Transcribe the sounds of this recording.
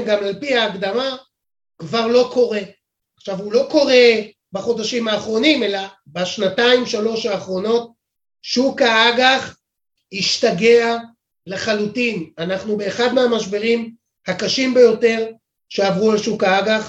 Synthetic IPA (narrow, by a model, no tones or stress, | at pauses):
mɡamalpiaːɡd̪ama | kvaʁlo̞ko̞ʁe̞ | aχʃavhulo̞ko̞ʁe̞ | baχo̞daʃimhaːχʁo̞nime̞la | baʃnataimʃalo̞ʃaːχʁo̞no̞t̚ | ʃukaaɡaχ | hiʃtaɡe̞a | leχalutinanaχnube̞ːχad̪meamaʃ̬be̞ʁim | hakaʃimbe̞jo̞te̞ʁ | ʃe̞avʁualʃukaaɡaχ